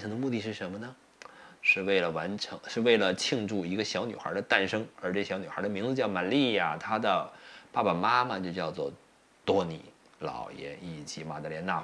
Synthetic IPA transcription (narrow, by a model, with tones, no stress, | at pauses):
a˧˥nʈ͡ʂʰɤ˧˥ŋd̪ə˧mu˥˧t̪i˥˧ʂɻ̩˥˩ʂə˧˥nmə˧nə˩ | ʂɻ̩˥˧we˥˩ɪlə˩wa˧˥nʈ͡ʂʰɤ˧˥ŋʂɻ̩˥˧we˥˩ɪlə˩t͡ɕʰi˥˧ŋʈ͡ʂu˥˩i˧˥ɡə˧ɕjɑ˧˥ʊny˨˩xə̰˧˥d̪ə˧t̪a˥˩nʂɤ˥ŋə˞˧˥ʈ͡ʂɤ˥˧˩ɕjɑ˧˥ny˨˩xə̰˞˧˥d̪ə˧mi˧˥ŋd͡zɹ̩˧˥t͡ɕjɑ˥˩ʊma˨˩li˥˧ja˥˩t̪ʰa˥d̪ə˨pa˥˩ba˩ma˥mɐ˨t͡ɕjo˥˧ʊt͡ɕjɑ˥˧ʊt͡swɔ̰˥˩ | t̪wɔ˥nḭ˨˩˦ | lɑ̰˨˩ʊjɛ̰˧˥ni˥˩t͡ɕi˧˥ma˨˩t̪a˧˥ljɛ˧˥na˥˩